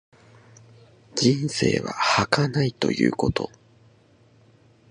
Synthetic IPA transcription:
d͡ʑĩñse̞ːβahakanait̪o̞̰jɯ̟̰ːko̞t̪o̞

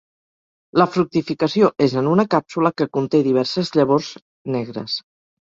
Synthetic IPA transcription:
ləfɾuk̚t̪ifikəsioʔezənunəkapsuləkəkunt̪eðiβ̞ɛɾsəzʎəβ̞orz | nɛɣ̞ɾə̰s

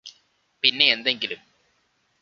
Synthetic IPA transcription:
pinːe̞ːnd̪e̞ŋɡilum

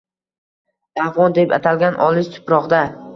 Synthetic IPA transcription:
afʁɒnd̪e̞pa̰t̪ʰalɡʲanʔɒlɪst̪ʰʊ̥pɾɒʁd̪a

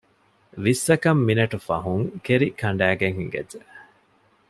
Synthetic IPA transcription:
ʋisːɐkɐmːinɐʈufɐ̰ɦuŋkeɾikʰɐɳɖæːɡeŋhiŋɡɐ̰de

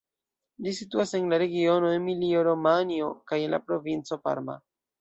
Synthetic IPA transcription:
lisituase̞nlaɾe̞ɡio̞no̞e̞nmilio̞ɾo̞manio̞kaje̞nla̰pɾo̞vint͡so̞pa̰ɾma̰

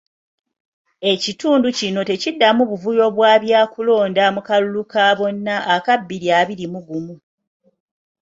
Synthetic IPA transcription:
e̞cituːnducino̞te̞cidːamuβuvujo̞βwaːβjaːkulo̞ːndamukalulukaːβo̞nːaʔːkabːiljaːβiɾimuɡumu

